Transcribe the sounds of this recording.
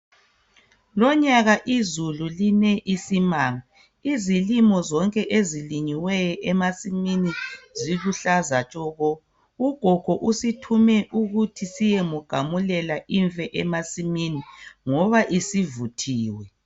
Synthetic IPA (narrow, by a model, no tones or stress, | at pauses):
lɔɲaɣaʔizululinɛʔisimaːŋa | izilimɔzɔŋkʼɛʔeziliɲiwɛjɔʔɛmasiminiziluɬazat͡ʃʼɔɣɔ | uɡ̥ʱɔɡ̥ʱɔʔusitʰumɛʔuɣutʰisijemuɡ̥ʱamulɛlaʔiɱvɛʔɛmasiminiŋɔβaʔisivutʰiːwɛ